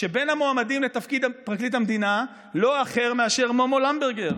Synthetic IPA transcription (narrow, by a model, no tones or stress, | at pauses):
ʃebe̞namoamadimlet̪afkid̪apʁaklitamd̪ina | lo̞aχe̞ʁmeaʃeʁmomolambeʁɡeʁ